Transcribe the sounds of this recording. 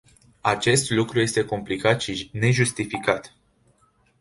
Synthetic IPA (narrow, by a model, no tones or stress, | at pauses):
at͡ʃe̞st̪lukɾuje̞st̪e̞ko̞mplikat̪ʃine̞ʒust̪ifikat̪